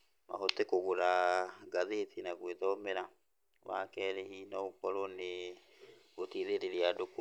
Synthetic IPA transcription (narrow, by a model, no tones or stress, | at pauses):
ma̰hɔtekoɣoɾaɡaðetʰinaɣweðɔmeɾa | wa̰kɛːɾehinɔokɔɾɔne | ɣotiðeɾeɾeadok